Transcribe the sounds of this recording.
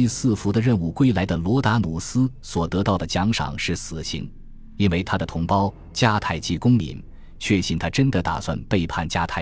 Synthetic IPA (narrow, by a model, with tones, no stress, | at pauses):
i˥˧sɹ̩˥˩fu˧˥d̪ə˧ɻə˥˧nu˥˩kwe˥˩ɪla˧˥ɪd̪ə˧lwɔ˧˥t̪a˧˥nu˨˩sɹ̩˥swɔ˨˩t̪ɤ˧˥t̪ɑ˥˩ʊd̪ə˩t͡ɕjɑ˧˥ŋʂɑ̰˨˩˦ŋʂɻ̩˥˩sɹ̩˨˩ɕḭ˧˥n | i˥nwe˥˩ɪt̪ʰa˥d̪ə˨t̪ʰʊ˧˥ŋpɑ˥ʊ | t͡ɕja˥˧t̪ʰa˥˧ɪt͡ɕi˥˩kʊ˥ŋmḭ˧˥n | t͡ɕʰɥɛ˥˧˩ɕi˥˩nt̪ʰa˥ʈ͡ʂə˥nd̪ə˨t̪a̰˨˩swa̰˥˧npe˥˧ɪpʰa˥˩nt͡ɕja˥˧t̪ʰa˥˩ɪ